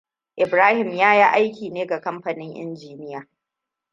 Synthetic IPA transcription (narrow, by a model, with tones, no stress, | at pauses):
ʔɪ˨bɾaː˦hɪ˨mjaː˦ji˦ʔa˦jkʲiː˨neː˦ɡa˨kɐ˦mɸɐ˨nɪ˦ŋʔɪ̰˦nd͡ʒiː˨nɪ˦jaː˨